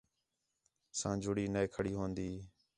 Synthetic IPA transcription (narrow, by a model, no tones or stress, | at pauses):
sãːd͡ʒʱʊɽiːnəeːkʰəɽiːɦoːnd̪iː